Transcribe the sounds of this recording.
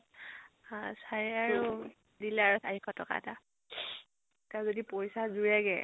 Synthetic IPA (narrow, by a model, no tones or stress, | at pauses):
asajaɹu | dilɛaɹusaɦikʰɔtɔka̰ɛ̰ta | tazodipoɹisazuɹɛɡɛ̰